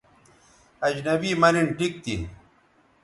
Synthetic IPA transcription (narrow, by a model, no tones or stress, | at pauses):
ɐd͡ʑnɐbiːmɐɾiɳʈik̚t̪ḭ